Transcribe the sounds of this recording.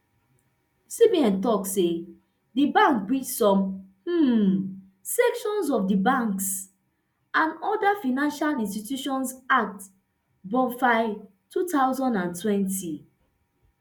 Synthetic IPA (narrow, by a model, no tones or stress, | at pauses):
sibiãntɔkse | dibãŋkbit͡ʃsɔ̃mh̩ | sɛkʃɔ̃nsɔfdibãŋks | ãnɔdafanãnʃalĩnstitjuʃɔ̃nsak̚t | bɔ̃faɪ | tʰutaʊzɔ̃ndãntwɛ̃nti